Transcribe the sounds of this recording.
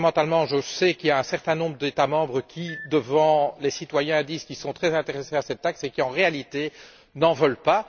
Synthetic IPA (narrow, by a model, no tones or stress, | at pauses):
mɑ̃t̪almɑ̃ʒəsɛkiljaɛ̃sɛʁt̪ɛ̃nɔ̃bʁəd̪et̪amɑ̃bʁəkʲʰid̪əvɑ̃lesit̪wajɛ̃d̪iːzkʲisɔ̃t̪χɛzɛ̃t̪eʁɛseasɛt̪ːaksekʲiɑ̃ʁealit̪e | nɑ̃vœlpa